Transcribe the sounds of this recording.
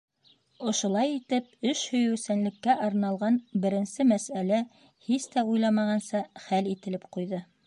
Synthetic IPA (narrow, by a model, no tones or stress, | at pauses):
ŏʃŏlˠɑjit̪ɘp̚ɵʃhɵ̆jɘ̆wsænlɘ̆kːæʔɑɾnɑlˠʁɑnbɘ̆ɾɘ̆nsɘmæsælæ | hist̪æujlˠɑmɑʁɑnsɑχælit̪ɘ̆lɘpqujðɤ